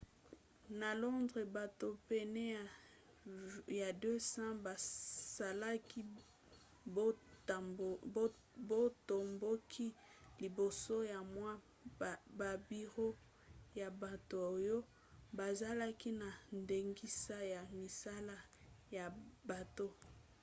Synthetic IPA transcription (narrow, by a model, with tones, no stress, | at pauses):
na˨lɔ˦ndʁe˨ba˨to˨pɛ˨nɛ˦a˨ | ja˨dø˦sã˦ba˨sa˨la˦ki˦ | o˦˨˦ | bo˦to˨mbo˦kʰi˦li˨bo˨so˦ja˨mwa˦˨ | ba˨bi˨ʁo˦ | ja˨ba˨to˨o˨jo˦ | ba˨za˦la˦ki˦na˨nde˨ŋɡi˦sa˦ja˨mi˨sa˦la˦ja˨ba˨to˦